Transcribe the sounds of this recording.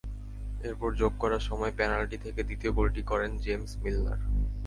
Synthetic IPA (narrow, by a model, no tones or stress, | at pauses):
eɾpɔɾd͡ʑoɡ̚kɔɾaɾʃɔmɔepɛnalʈit̪ʰeked̪it̪iobolʈikɔɾend͡ʑemsmilːa̰ɾ